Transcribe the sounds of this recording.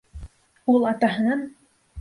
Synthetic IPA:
ulˠɑt̪ɑɦɤ̆nɑn

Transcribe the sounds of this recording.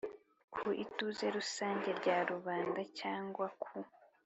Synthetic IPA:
kʰuʔituze̞ɾusaːɲɟe̞ɾɟaɾuβaːndacaːŋɡwakʰu

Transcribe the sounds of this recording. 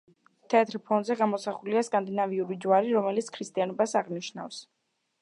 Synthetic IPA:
t̪ʰɛat̪ʰɾpʰɔnzɛɡamɔsaχuliaskʼand̪inaviuɾid͡ʒwaɾiɾɔmɛlit̪sʰkʰɾist̪ʼianɔbasaʁniʃnafs

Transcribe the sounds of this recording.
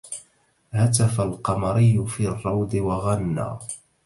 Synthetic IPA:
hat̪afalqɑmɑɾɪjːʊfiːrˤːɑwd̪ɪwaɣanːa̰ː

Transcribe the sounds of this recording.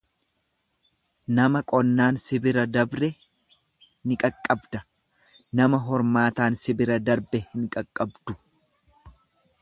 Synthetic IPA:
nɐmɐkʼɔnːaːnsɪbɪɾɐd̪ɐbɾɛ | nɪkʼɐkʼːɐbd̪ɐ | nɐmɐɦɔɾmaːt̪aːnsɪbɪɾɐd̪ɐɾbɛhɪŋkʼɐkʼːɐbd̪ʊ̥

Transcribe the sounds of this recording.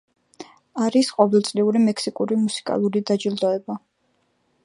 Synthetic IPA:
aɾisqʼɔvɛlˠt̪sʼliuɾimɛksikʼuɾimusi̥kʼa̰lˠuɾid̪ad͡ʒild̪ɔɛba

